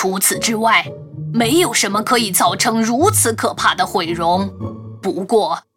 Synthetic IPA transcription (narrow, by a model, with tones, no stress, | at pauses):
u˧˥t͡sʰɹ̩˨˩ʈ͡ʂɻ̩˥wa˥˩ɪme˧˥ɪjo˨˩ʊʂə˧˥nmə˧kʰɤ˧˥i˨˩t͡sɑ˥˩ʊʈ͡ʂʰɤ˧˥ŋɻu˧˥t͡sʰɹ̩˧˥kʰɤ˨˩pʰa˥˩d̪ə˨xwe˨˩ɪɻʊ˧˥ŋpu˧˥kwɔ˥˩